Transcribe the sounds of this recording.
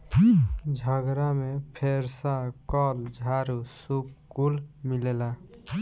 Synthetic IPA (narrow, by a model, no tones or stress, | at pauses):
d͡ʒʱəɡɾamepʰeɾsakɔld͡ʒʱaɾusukkːulmilela